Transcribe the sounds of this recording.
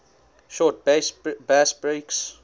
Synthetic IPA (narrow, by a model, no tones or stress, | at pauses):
ʃɔːt̚bsbæsbɹeks